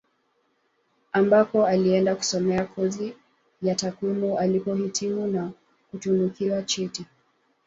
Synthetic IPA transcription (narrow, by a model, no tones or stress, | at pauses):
ambapɔaliɛndaku̥sɔmɛakʰɔzi | jatakwimualipɔhitʰimuna | kutunukiwat͡ʃɛti